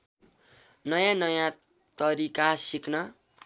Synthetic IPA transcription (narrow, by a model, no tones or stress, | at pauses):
nʌjãnʌjã | t̪ʌɾikasiknʌ